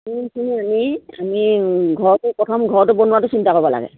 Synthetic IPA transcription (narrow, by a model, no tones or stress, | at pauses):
ukʰiniamia̰miɡʱɔɹɔtʊpɹɔtʰɔmɡʱɔɹɔtʊbɔnuwatʊsintakɔbɔla̰ɡɛ̰